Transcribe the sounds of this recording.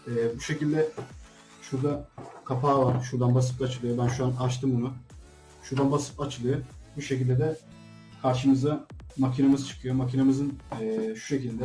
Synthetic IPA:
ɛːbuʃe̞cilʲd̪ɛ | ʃuɾd̪akʰapʰaːvaɾʃuɾd̪anbas̬ɯ̥pat͡ʃʰɯlˠɯjobænʃuanat͡ʃt̪ʰɯmbunu | ʃuɾd̪anbasɯ̥pat͡ʃʰɯlˠɯjobuʃe̞cilʲd̪ɛd̪ɛ | kʰaɾʃɯmɯzamacʰinamɯzt͡ʃʰɯ̥kʰɯjomacʰinemɯzɯnɛːʃu̥ʃe̞cilʲd̪ɛ

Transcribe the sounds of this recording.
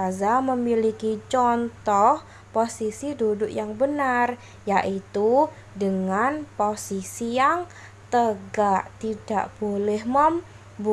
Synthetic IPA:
azaməmilikit͡ʃɔnt̪ɔh | posisidudʊkjaŋbənar | jaʔit̪u | dəŋanposisijaŋ | t̪əɡaʔt̪id̥a̰ʔb̥olɛhməm | bu

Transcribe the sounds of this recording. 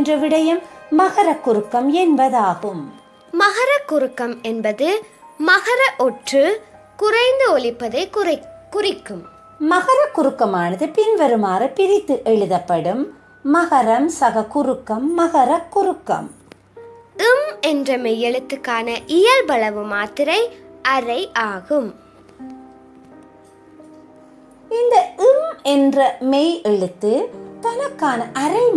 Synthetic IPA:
ndrɐʋɪɽɐjɐmːɐɣɐɾɐkːʊɾɯkːɐmɛnbɐðaːɣɯm | mɐɣɐɾɐkːʊɾɯkːɐmɛnbɐðɯmɐɣɐɾɐʔɔʈrɯ | kʊrɐɪnd̪ɯɔlɪpːɐðɐɪkʊrɪkːɯm | mɐɣɐɾɐkːʊɾɯkːɐmaːnɐðɯpɪnʋɐɾɯmaːɾɐpɪɾɪt̪ːɯʔɛɻɯðɐpːɐɽɯmː | ɐɣɐɾɐmsɐɣɐkʊɾɯkːɐmːɐɣɐɾɐkːʊɾɯkːɐ̰m | ɯmɛndrɐmɛjːɛɻɯt̪ːɯkːaːnɐʔɪjɐlbɐɭɐʋɯmaːt̪ɪɾɐɪʔɐɾɐɪʔaːɣɯm | ɪnd̪ɐʔɯmɛndrɐmɛjɛɻɯt̪ːɯt̪ɐnɐkːaːnɐʔɐɾɐɪm

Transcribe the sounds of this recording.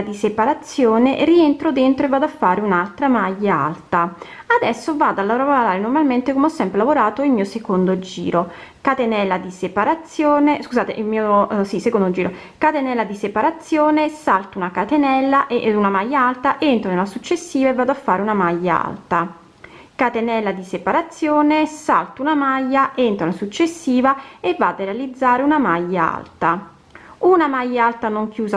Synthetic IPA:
d̪isepaɾat̪sːjoːnerient̪ɾod̪ent̪ɾoevːaːd̪oafːaːɾeunalt̪ɾamajːaa̰lt̪aad̪ɛsːovaːd̪oalːavoɾavooɾaːɾenormalment̪ekomɔsːɛmpɾelavoɾaːt̪oilmiːosekond̪od͡ʒḭːɾo | kat̪enɛlːad̪isepaɾat̪sːjoːneskuzaːt̪ḛʔilmiːoosisekond̪od͡ʒiːɾo | kat̪enɛlːad̪isepaɾat̪sːjoːnesalt̪unakat̪enɛlːaʔunamajːaalt̪aʔent̪ɾonelasut͡ʃːesːiːvaevːaːd̪oafːaːɾeunamajːaa̰lt̪a | kat̪enɛlːad̪isepaɾat̪sːjoːnesa̰lt̪unamajːaʔent̪ɾoulasut͡ʃːesːiːvaevːaːd̪orɾealid̪zːaːɾeunamajːaa̰lt̪a | unamajːaalt̪anoŋkjuːza

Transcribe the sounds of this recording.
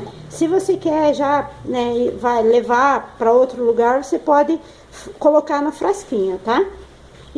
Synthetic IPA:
sɪvosekɛɾʒanɛvajlevaɾpɾɐowt̪ɾʊluɡaɾvosepɔd̪ɪ | kolokaɾnʊfɾaskĩɲʊt̪a

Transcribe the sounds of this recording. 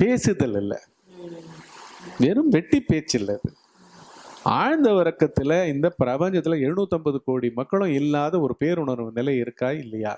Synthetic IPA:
peːsɯðɐlɪlːɐ̰ | ʋeːɾɯmʋɛʈːipːeːt͡ʃːɪlːɐðɯ | aːɻnd̪ɐʋɐɾɐkːɐt̪ːɪlɐɪnd̪ɐpɪɾɐpɐɲd͡ʒɐt̪ːɪlɐɛɾɯɳuːt̪ːɔmbɐðɯkoːɽimɐkːɐɭʊ̃ɪlːaːðɐɔɾɯpeːɾʊɳɐɾʋɯnɪlɐɪɾɯkːaːɪlːɐja̰ː

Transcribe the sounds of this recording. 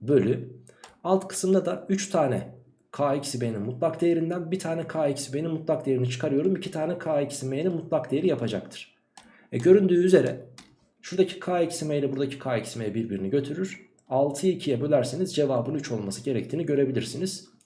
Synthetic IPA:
bø̞lʲy | alˠt̪kʰɯ̥sɯmd̪ad̪ayt͡ʃt̪ʰaːnɛ | kʰaːicsibe̞jininmut̪lˠakd̪ejeɾind̪ænbit̪ʰaːnɛkʰaːicsibe̞jninmut̪lˠak̚d̪ejeɾinit͡ʃʰɯ̥kʰaɾɯjo̞ɾumicʰit̪ʰaːnɛkʰaːicsimejininmut̪lˠak̚d̪ejeɾijapʰad͡ʒak̚t̪ʰɯ̥ɾ̥ | ɛɟø̞ɾynd̪yːyze̞ɾɛ̰ | ʃuɾd̪acʰi̥kʰaːicsimejilʲɛbuɾd̪acʰi̥kʰaːicsimejɛbiɾbiɾiniɟø̞t̪ʰyɾyɾ̥ | alˠt̪ʰɯicʰijɛbølʲæɾsenizd͡ʒe̞vaːbɯnyt͡ʃʰo̞lˠmasɯɟe̞ɾɛc̚t̪ʰiːniɟø̞ɾe̞bilʲiɾsiniz̥

